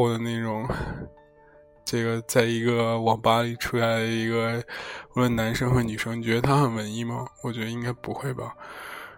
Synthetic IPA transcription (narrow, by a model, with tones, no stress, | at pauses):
d̪ə˦ne˥˩ʈ͡ʂʊ˨˩˦ŋ | ʈ͡ʂe˥˩ɡə˩t͡sa˥˩ɪi˧˥ɡə˧wɑ˨˩ŋpa˥li˨˩ʈ͡ʂʰu˥ɕja˥˩ɪd̪ə˩i˧˥ɡə˧ɔ˧˥lwə˥˩nna˧˥nʂɤ˥ŋxə˧˥ny˨˩ʂɤ˥ŋ˨t͡ɕɥɛ˧˥d̪ə˧a˥xə˨˩nwə˧˥ni˥˩mɐ˨˩wɔ˨˩t͡ɕɥɛ˧˥d̪ə˧i˥ŋka˥ɪpu˧˥xwe˥˩ɪbɐ̰˩